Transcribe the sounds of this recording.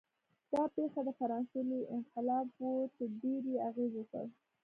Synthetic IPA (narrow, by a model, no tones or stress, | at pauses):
d̪̥ɑpexad̪əfaɾɑnseliʔɪnqɪlɑbot̪əɾɖeɾeaɣezwəkə̰ɽ